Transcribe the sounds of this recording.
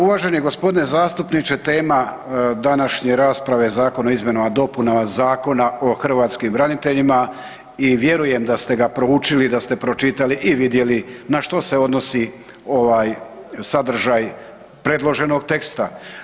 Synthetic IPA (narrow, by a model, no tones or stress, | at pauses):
uʋaːʒe̞njeɡo̞spo̞d̪ine̞zaːst̪upnit͡ʃe̞t̪e̞ːma | d̪anaʃɲeɾaːspɾaʋe̞zaːko̞noizmje̞noʋad̪o̞punaazaːko̞nao̞xr̩ʋaːt̪skimbɾanit̪e̞ʎima | iʋje̞ɾuje̞md̪ast̪e̞ɡapɾo̞ut͡ʃilid̪ast̪e̞pɾo̞t͡ʃit̪aliʔiʋid̪je̞linaʃt̪o̞se̞o̞d̪no̞si | o̞ʋaːj | sad̪r̩ʒaːj | pɾe̞d̪lˠo̞ʒe̞no̞ɡt̪e̞kst̪a